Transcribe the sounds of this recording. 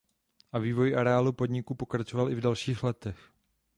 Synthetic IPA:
ʔaviːvo̞jʔaɾɛaːlupo̞dɲɪkupo̞kɾat͡ʃovalʔɪvdalʃiːxlɛt̪ɛx

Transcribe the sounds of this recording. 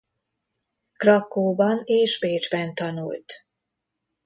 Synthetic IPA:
krɒkːoːbɒneːʒbeːd͡ʒbɛnt̪ɒnṵlt̪

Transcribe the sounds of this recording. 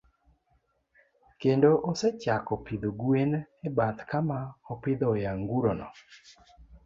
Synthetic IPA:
kendoʔosɛt͡ʃakɔpɪd̪oɡwenɛbat̪kamaɔpɪd̪ɔjaŋɡuɾonɔ̰

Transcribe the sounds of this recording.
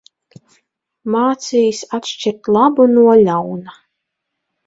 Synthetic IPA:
maːt̪sijsat̪ʃt͡ʃiɾt̪lˠabunuɔlʲawna

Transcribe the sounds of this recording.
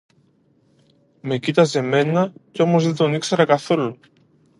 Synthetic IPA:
me̞cit̪ɐze̞me̞nɐceo̞mo̞zðed̪o̞nikseɾɐkɐθo̞lu

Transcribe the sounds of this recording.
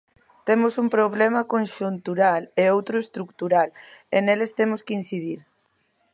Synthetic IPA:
t̪emʊsumpɾoβ̞lemɐkonʃunt̪uɾaleowt̪ɾʊest̪ɾukt̪uɾalḛnelest̪emʊskin̟θið̞iɾ

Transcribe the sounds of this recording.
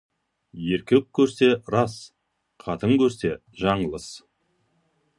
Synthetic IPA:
je̞ɾkʲewk̚ʲʰːɵɾse̞ɾɑs | qʰɑt̪əŋkʲʰɵɾse̞ | ʒɑɴəlˠəs

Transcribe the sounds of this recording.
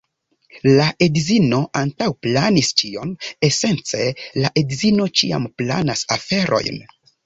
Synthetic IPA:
laʔedzino̞ʔantawplanist͡ʃio̞ne̞se̞nt͡se̞laʔedzino̞t͡ʃia̰mpla̰nasafe̞ɾʔo̞̰jn

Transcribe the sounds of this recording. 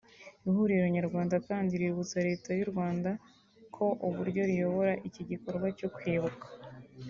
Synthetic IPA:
ihuɾiuɾuɲaɾɡwaːndataːɲɟiɾiβut͡saɾe̞ːtajuɾɡwaːnda | kʰo̞ʔuβuɾɟo̞ɾijo̞βo̞ɾaʔiciɟiko̞ɾɡwaco̞kweːβukḁ

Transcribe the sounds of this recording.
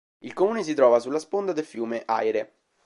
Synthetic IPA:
ilkomuːnes̬it̪ɾɔːvasulːaspond̪ad̪elfjuːmeʔa̰jɾe

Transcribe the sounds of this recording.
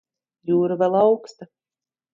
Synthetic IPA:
juːɾɨvʲɛlˠawkst̪a

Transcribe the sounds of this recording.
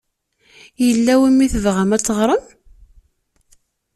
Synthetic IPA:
jəlːæwimːiθəvʁæmæt͡sːəʁɾˤəm

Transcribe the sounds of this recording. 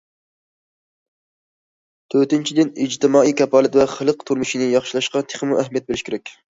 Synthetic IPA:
t̪ʰøɾt̪ɪnt͡ʃʰid̪ɪnid͡ʒt̪ʰɪmɑːijkʲɛpɑːlˠɪt̪vɛχəlˠəqt̪ʰuɾmɨʃinɪjɑχʃilˠɑʃqɑt̪ʰe̥χmuʔæɦmijɛt̪̚bɪlɪʃkʲʰeɾɛkʲ

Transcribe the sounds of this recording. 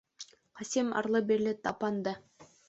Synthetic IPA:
χɑsimɑ̰ɾlˠɤbiɾlɘt̪ɑpɑnd̪ɤ

